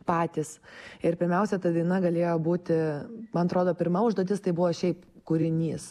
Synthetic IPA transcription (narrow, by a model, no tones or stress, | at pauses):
pɑːt̪ʲisɪɾpʲɪɾʲmʲɛʊsʲɛt̪ɐd̪ɐɪnɐɡɐlʲeːjoːbuːt̪ʲɪmɐnɐt̪ɾoːd̪oːpʲɪɾmɐʊʒd̪oːt̪ʲɪst̪ɐɪbʊʋoːʃʲɛɪpkuːɾʲɪnʲiːs